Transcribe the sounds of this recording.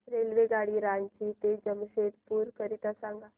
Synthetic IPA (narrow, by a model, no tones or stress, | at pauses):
ɾeːlʋeɡaːɽiɾaːɲt͡ʃit̪ed͡ʒəmʃeːd̪puːɾkəɾit̪asãŋɡa